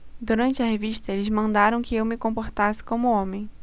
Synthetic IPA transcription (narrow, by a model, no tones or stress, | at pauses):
d̪uɾɐ̃nt͡ʃɪɐɦeviʃt̪ɐelɪzmɐ̃nd̪aɾɐ̃w̃kɪewmɪkõmpoɾt̪asɪ̥kõmʊõmẽj̃